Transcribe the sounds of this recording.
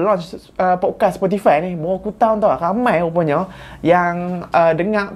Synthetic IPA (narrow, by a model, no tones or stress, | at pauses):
lɔ̃nt͡ʃ | əpɔt̚kaspɔt̪ifajnibɔɔkut̪awnt̪awakamãjupəɲɔ | jaŋʔədəŋãʔ